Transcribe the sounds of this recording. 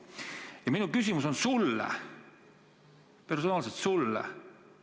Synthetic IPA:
jɑminukysʲimuso̞nsulːɑ̰ | peɾusɑmɑlset̪sulːɑ̰

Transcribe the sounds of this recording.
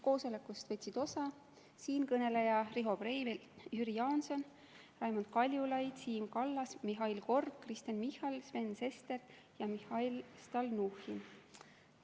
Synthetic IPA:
ko̞ːso̞lekˑust̪vɤt̪ʲsid̪̥o̞sɑ | siːnkɤne̞lejɑriɦo̞brejvel | jyɾijɑːnso̞n | rɑjmond̪̥̚kɑlʲjulɑjd̪̥siːmkɑlːɑsmiɦɑjlko̞rɡkːrist̪enmihɑlsve̞nːse̞st̪e̞r | jɑmihɑjlst̪ɑlnuhin

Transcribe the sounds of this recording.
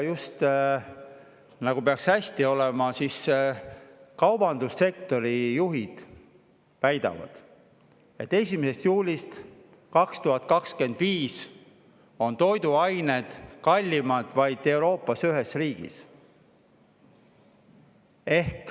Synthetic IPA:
just̪ | nɑɡupeɑkshæsʲt̪io̞lemɑsis | kɑwb̥ɑnd̪̥usːe̞k̚t̪o̞ɾijuɦid̪̥ | væjd̪ɑ̰vɑ̰d̪̥ | e̞t̪ːe̞sʲimise̞st̪juːlʲist̪ | kɑkst̪uɦɑt̪ːˑkɑkske̞nd̪viːs | o̞nt̪o̞jd̪uɑjned̪̥kɑlʲːimɑd̪̥vɑjd̪̥e̞wɾo̞ːpːˑɑsyɦe̞sriːɡ̥ḭs | e̞hk

